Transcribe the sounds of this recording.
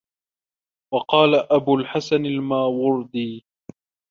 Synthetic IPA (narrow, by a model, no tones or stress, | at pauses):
wɑqɑːlaʔabʊːlħasanalmaːwʊɾd̪ˤiː